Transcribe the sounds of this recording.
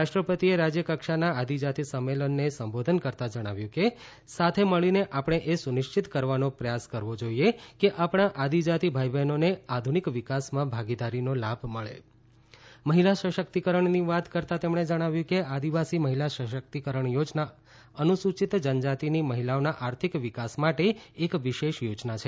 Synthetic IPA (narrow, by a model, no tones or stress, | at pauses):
aʃʈɾəpət̪ieɾad͡ʒjəkəkʃanaad̪id͡ʒat̪isəmːelənːesəmbod̪ʱənkəɾt̪ad͡ʒəɽ̃a̰ʋjũke | sat̪ʰeməɭineʔapɽ̃eʔesunɪʃt͡ʃit̪kəɾʋanopɾəjaskəɾʋod͡ʒoiekeʔapɽ̃aʔad̪id͡ʒat̪ibʱajbenonead̪ʱunikʋɪkasmãbʱaɡid̪aɾinolabʱməɭḛ | məɦilaʃəʃəkt̪ikəɾəɳniʋat̪kəɾt̪ãt̪emɳed͡ʒəɽ̃aʋjũkead̪iʋasiməɦilaʃəʃək̚t̪ikəɾəɳjod͡ʒna | ənusut͡ʃit̪d͡ʒənd͡ʒat̪iniməɦilaonaʔaɾt̪ʰikʋikasmaʈeːkʋiʃeʃjod͡ʒnat͡ʃʰe